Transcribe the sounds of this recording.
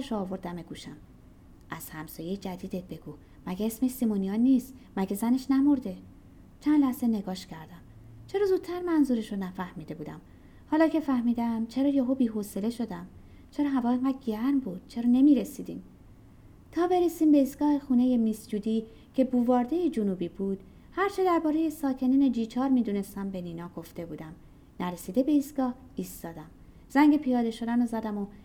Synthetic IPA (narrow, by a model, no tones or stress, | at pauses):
eʃoːvo̞ɾd̪æmeɡuːʃæm | ʔæz̥hæmsɒːjejd͡ʒæd̪iːd̪et̪̚be̞ɡ̥uː | mæɟeesmesimonijɒːniːst̪mæɟezæne̞ʃnæmo̞ɾd̪e̞ | t͡ʃʰænlæhze̞neɡɒːʃcʰæɾd̪æm | t͡ʃʰe̞ɾɒːzuːd̪̚t̪ʰæɾmænzuɾeʃonæfæhmiːd̪e̞buːd̪æ̰m | hɒːlɒːcʰe̞fæhmiːd̪æmt͡ʃʰe̞ɾɒːjoɦobiːɦosele̞ʃod̪æm | t͡ʃʰe̞ɾɒːɦævɒːeŋɡæd̪ɟæɾmbuːd̪̥̚t͡ʃʰe̞ɾɒːne̞miːɾesiːd̪ḭːm | t̪ʰɒːbe̞ɾesiːmbe̞iːsɡ̥ɒːhe̞xuːne̞je̞misjuːd̪iː | cʰe̞buːvɒːɾd̪ejed͡ʒonuːbiːbuːd̪̥ | hæɾt͡ʃʰe̞d̪æɾbɒːɾe̞je̞sɒːcʰe̞niːned͡ʒiːt͡ʃʰɒːɾmiːd̪uːne̞st̪æmbeniːnɒːɡ̥o̞ft̪e̞buːd̪æm | næɾesiːd̪e̞be̞iːsɡ̥ɒːh | iːst̪ɒːd̪æm | z̥æŋɟe̞pʰijɒːd̪e̞ʃo̞d̪ænozæd̪æmo